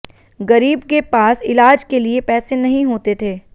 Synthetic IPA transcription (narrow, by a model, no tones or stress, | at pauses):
ɡɐɾiːbkepaːsɪlaːd͡ʒkeliepɛːsenɐɦĩɦoːt̪et̪ʰeː